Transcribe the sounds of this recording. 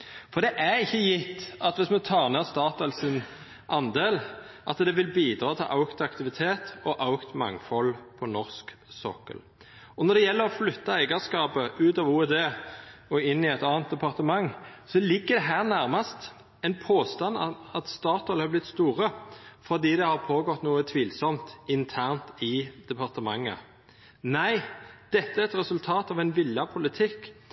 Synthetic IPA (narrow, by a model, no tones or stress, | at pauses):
fɔd̪ɛʔæɾɪçːəjɪt̪ːɑt̪ʋɪsmɛt̪ʰɑːʁneːst̪ɑːt̪ɑlsɪn | ʔɑnd̪eːlʔɑt̪d̪ɛʋɪlbiːd̪ɾɑːt̪ʰɪlʔɑʊkt̪ɑkt̪ɪʋɪt̪ʰeːt̪ɔʔɑʊkt̪mɑ̰ŋːfɔlːpʰɔnɔʁsksɔ̰kːə̰l | ɔnɔd̪ɛjɛlːəʁɔflʏt̪ːɑæɪɡɑskɑːpəʉːt̪ɑʋuːɛd̪eːɔɪnːɪɛt̪ɑːɑnt̪̚d̪ɛpɑʁt̪əmɑŋsɔlɪɡːəd̪ɛɦæːʁnæɾmɑst̪ | ɛɪnpʰoːst̪ɑnɑt̪st̪ɑːt̪ɔlhɑɾblɪt̪st̪uːʁəfɔʁd̪iːd̪ɛhɑʁpʰoːɡɔt̪ːnuːət̪ʰʋiːlsɔmt̪ɪnt̪ʰæʁnt̪ɪd̪̥ɛpʰɑʁt̪əmɑŋːə̰ | næɪd̪̥ɛt̪ːəæɾɛt̪ɾɛsʉlt̪ʰɑːt̪ɑʋɛɪnʋɪlːɑpʰʊlɪt̪ʰɪkː